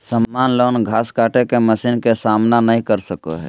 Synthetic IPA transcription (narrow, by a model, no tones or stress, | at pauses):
səmːaːnloːnɡʱaːskaːʈekeməsiːnkesaːmnanəĩkəɾsəko̰ɦɛ̰ː